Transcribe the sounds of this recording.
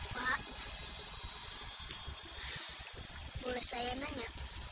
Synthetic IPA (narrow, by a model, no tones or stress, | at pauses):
pa | bolɛhsajanaɲaʔ